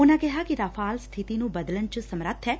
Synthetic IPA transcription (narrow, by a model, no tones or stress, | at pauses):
oːnãkɛɦakiɾaːfʰaːlst̪ʰit̪inũbəd̪lənt͡ʃsəmɾət̪ʰɦɛː